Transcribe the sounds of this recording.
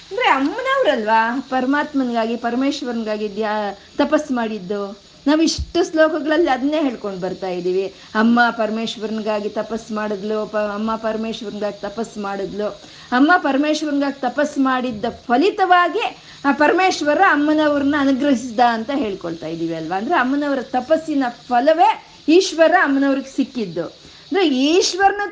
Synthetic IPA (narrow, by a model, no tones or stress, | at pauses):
ɐnd̪ɐɾeɐmːɐnɐʋɐɾɐlʋaːpɐɾɐmaːt̪mɐnɡaːɡipɐɾɐmeːʃʋɐɾɐnɡaːɡid̪ja | t̪ɐpɐsːmaːɽid̪ːu | naːʋuiʂʈːuslɔːkɐɡɐɭɐlːiɐd̪ɐnːeːɦe̞ːɭko̞ɳɖbɐɾt̪aːjid̪iːʋi | ɐmːɐpɐɾɐmeːʃʋɐɾɐnɡaːɡit̪ɐpɐsːmaːɽud̪lupɐmːɐpɐɾɐmeːʃʋɐɾɐnɡaːɡit̪ɐpɐsːmaːɽud̪lu | ɐmːɐpɐɾɐmeːʃʋɐɾɐnɡaːɡit̪ɐpɐsːmaːɽid̪ːɐpʰɐlit̪ɐʋaːɡi | aːpɐɾɐmeːʃʋɐɾɐɐmːɐnɐʋɐɾɐnːɐɐnuɡɾɐɦisd̪aɐnt̪ɐɦe̞ːɭkoɭt̪aːjid̪iːʋiɐlʋaːnd̪ɐɾeɐmːɐnɐʋɐɾɐt̪ɐpɐsːinɐpʰɐlɐʋe̞ | iːʃʋɐɾɐɐmːɐnɐʋɐɾiɡesikːid̪ːu | ɐnd̪ɾeiːʃʋɐɾɐnu